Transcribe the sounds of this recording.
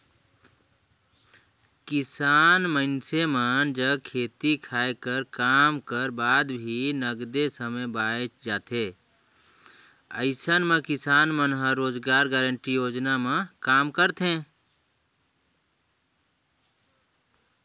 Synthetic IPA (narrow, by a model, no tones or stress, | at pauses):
kisanməɪnsemənd͡ʒəkʰet̪ikʰaekəɾkamkəɾbad̪bʱinəɡd̪esəməbajt͡ʃd͡ʒat̪ʰe | ə̰ɪsənmẽkisanmənɦəɾːod͡ʒɡaɾɡɛɾəɳʈijod͡ʒnamekamkəɾt̪ʰẽ